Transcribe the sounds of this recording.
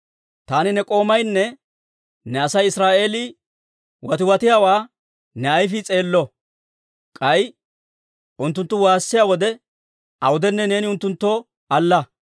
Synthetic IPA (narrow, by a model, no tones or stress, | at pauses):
t̪aːnɪnɛkʼo̞ːmɐjnːɛ | nɛɐsɐjɪsɾaːʔe̞ːlɪ | wɐt̪ɪwɐt̪ɪjaːwaː | nɛɐjfɪt͡sʼe̞ːlːɔ | kʼɐj | ʔʊnt̪ːʊnt̪ːʊwaːsːɪjaːwɔd̪ɛ | ɐwʊd̪ɛnːɛne̞ːnɪʊnt̪ːʊnt̪ːoː | ɐlːɐ